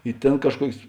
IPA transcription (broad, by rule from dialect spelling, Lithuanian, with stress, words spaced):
ɪ ˈtʲeːn kɐʃˈkuɔkʲeːs